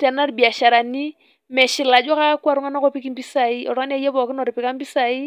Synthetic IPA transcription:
ta˨na˦ɾbi˨a˨ʃa˨ɾa˨nːi˦ | mɛ˨ʃi˨la˨d͡ʒɔ˦ka˦ku˦a˦˨ɾu˦ŋa˦na˦ko˦pi˦ki˦mbi˦sa˨i˦ɔ̰˨ɾu˦ŋa˦n˦a˦je˦bɔ˨ki˦nɔ˨ɾi˨pi˨ka˦mbi˦sa˨i˦

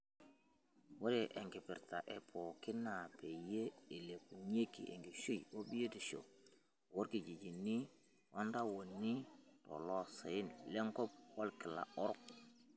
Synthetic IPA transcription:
wo˦ɾe˨ʔe˨ŋki˨pi˨ɾta˨ʔe˨pʰo˨ki˦na˨pe˨je˦e˨le˨ku˨ɲe˦kḭ˨ʔḛ˨ŋɡi˨ʃu˦jo˦bi˦e˦ti˨ʃo̰˨ | wo˦ɾki˨d͡ʒi˨d͡ʒi˨nːi˦ | wo˦nda˦wo˨nːi˦to̰˨lo˦sḛ˨ji˦nle˦ŋko˦p̚wo˦lki˨la̰˨o˦ɾu˦k̚

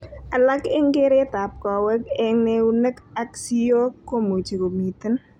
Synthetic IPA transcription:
a˨la˦kɪ˦ŋɡe˦ɾe˦ta˨p̚kɔ˨wɛ˦ɡɛŋneu˦nə˦kaksi˦jo˦kːo˦mu˨t͡ʃi˨ko˨mi˨tɪ˦n

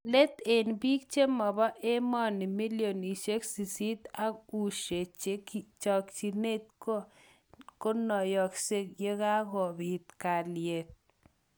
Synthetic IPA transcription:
le˦t̪e˨nbi˦k̚t͡ʃe˦mɔ˨bɔ˦ʔe˦mɔ˦ni˨mi˦ljo˨ni˨ʃe˦ksi˨si˦t̪a˦u˨ʃe˨t͡ʃt͡ʃɔ˨kt͡ʃi˨ne˦t̪ko˦ | ko˦nɔ˨jɔ˨kse˦kje˦ɣa˦kɔ˨bi˨t̪ka˨lje˨t̪̚

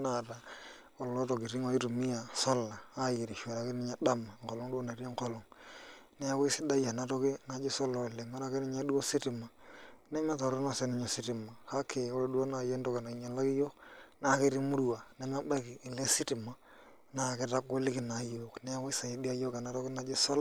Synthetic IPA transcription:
na˦˨ta˨ | o˨lo˦to˨ki˨ɾi˦ŋo˨i˦ɾu˨mi˦ja˨so˦laː˨˦˨ji˨ɾi˨ʃo˨ɾa˨kɪ˦ni˦ɲa˦da˦ma˨ŋko˨lo˦ŋdu˦o˦na˨ɾi˦a˦ŋko˦lɔ˨ŋne˦a˦ko˦i˦sɪ˦da˦ja˨na˦to˦ki˦na˨˦d͡ʒi˦so˦lo˨i˨le˨ma˦ɾa˦ke˦ni˦ɲa˦du˦wo˦si˦ti˨ma˨ne˦m˦a˦to˨ɾo˦no˦˨se˦ni˨˦ɲo˨si˦ti˨ma˨ka˦ke˨o˦ɾo˦du˦o˦na˨je˦ndo˦ke˨na˨ɲo˨la˦kɪ˦jo˦kna˨ki˦ɾi˦mu˦du˦wa˨ne˦m˦a˦ba˦kiː˨le˦si˦ti˨ma˨ | na˨kɪ˦ta˦kːe˦lɪ˦kɪ˨na˨jo˦kne˦a˦ko˦i˦sa˨ji˨di˦a˦jo˦ka˨na˦tɔ˦kɪ˦na˦d͡ʒi˦so˦la˦

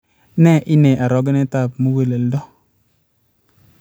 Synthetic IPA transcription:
nɛ˦˨ʔɪ˦nɛ˨ʔa˨ɾɔ˨ɡe˦nɛ˦ta˦˨pmu˦we˨le˨ldɔ˦

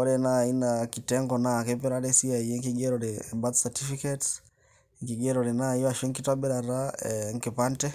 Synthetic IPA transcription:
ɔ˦ɾɛ˨na˨i˦naki˨tɛ˦ŋɡɔ˨na˨kɛpɛ˦ɾa˦ɾɛ˦si˦a˨je˦ŋkiɡɛ˦ɾɔɾɛbat̪sati˦fikɛts | ŋki˨ɡɛɾɔɾe˨na˦˨iaʃɛ˦ŋki˦tabɛ˦ɾa˨ɾaɛŋkɛ˨pa˦ntɛ

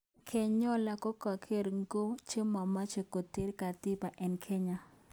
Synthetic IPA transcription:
kʰe˨ɲɔ˦la˨kɔ˦ka˨kʰe˦˨ɾŋɡo˦t͡ʃe˦ma˨ma˦t͡ʃe˨ko˨te˦ɾka˨tɪ˦pa˨ʔɛ˨nkʰe˦ɲa˦

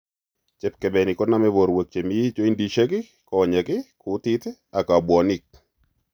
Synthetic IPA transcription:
t͡ʃɛ˦p̚kɛ˨bɛ˨nɪ˨kɔ˦na˦mɛ˦bo˨ɾwe˨k̚t͡ʃe˨mi˦t͡ʃo˦i˦ndi˨ʃe˦kɪ˦ | kɔɲe˨kɪ˦kʊ˦t̪ɪ˦t̪a˨ka˨bwɔ˨nɪ˦k̚

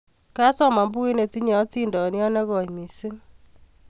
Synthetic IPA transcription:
ka˦sɔ˦ma˨mbu˦e˦ne˨ti˦ɲɛ˨ɔ˦t̪i˦ndɔ˨njɔ˦nɛ˦ɣɔ˨i˨mi˨si˦m

